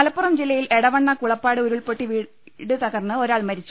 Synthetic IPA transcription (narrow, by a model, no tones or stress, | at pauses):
ɐlɐpːurɐmd͡ʑilːɐjilʔeɽɐʋɐɳːɐkuɭɐpːaːɽɨoɾuɭpoʈːiʋiː | ɽɨt̪ɐɣɐrnːɨo̞ɾaːɭmɐɾit͡ɕːu